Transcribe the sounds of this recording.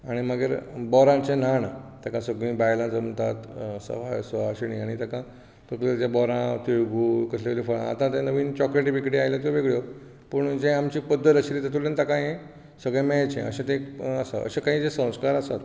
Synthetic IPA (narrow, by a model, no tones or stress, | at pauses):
aɽ̃iməɡeɾbɔɾãt͡ɕenanat̪akãsəɡɭĩːbajlãd͡zəmt̪at̪sə̰ʋajsəʋaɕiɽĩaɽ̃it̪akã | t̪əkleɾd͡ʑ̪jabɔɾãt̪ijɡuːkəɕleʋelefəɭã̰a̰t̪ãt̪ẽnəʋiːnt͡ɕɔkɾeʈibikɽiajlɔt̪joʋeɡɭjo | pəɳd͡ʑẽamt͡ɕiːpəd̪ʱːət̪əɕilit̪at̪ulẽnt̪akãjẽ | səɡɭjãmet͡ɕḛ̃ə̰ɕẽt̪ẽəsa̰ʔə̰ɕekãɦĩːd͡zesə̃w̃skaɾasat̪